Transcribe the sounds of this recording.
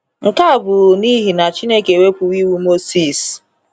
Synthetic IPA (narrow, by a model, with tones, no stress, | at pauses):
ŋ̩˨ka˦a˨bʊ˨ni˦ɦi˨na˨t͡ʃi˦ne˦ke˨we˦pʊ˨i˦wu˦mo˦si˦˨s